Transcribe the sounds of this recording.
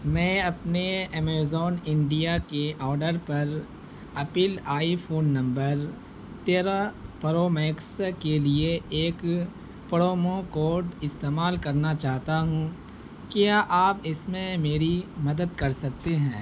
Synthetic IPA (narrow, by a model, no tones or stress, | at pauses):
mɛ̃ːɐpneɛːmeːzɔːnɪ̃ɳɖijakeʔɔːɾɖəɾpɐɾ | ɐpɪlaːifʰoːnːɐ̃mbəɾ | t̪eːɾapɐɾoːmɛːkskelieeːk | pɐɽoːmõkoːɖɪst̪eːmaːlkɐɾnat͡ʃaːɦt̪aɦũ | kjaʔaːpɪsmẽmeːɾimɐd̪əd̪̚kɐɾsɐk̚t̪eɦɛ̃ː